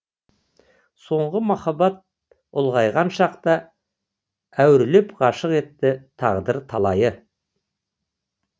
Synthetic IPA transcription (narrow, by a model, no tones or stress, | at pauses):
so̞ɴʁəmɑχɑbɑt̪̚ | ʊlˠʁɑjʁɑnʃɑqt̪ɑ | æwɪɾle̞pʁɑʃəqe̞t̪ːɪt̪ʰɑʁd̪əɾt̪ʰɑlˠɑjə